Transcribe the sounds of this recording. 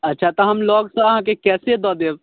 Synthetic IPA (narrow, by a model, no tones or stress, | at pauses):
ɐtːʃʰat̪ɔɦɐmlɔːɡsaɦãkekɛːsed̪ɔːd̪eːʋ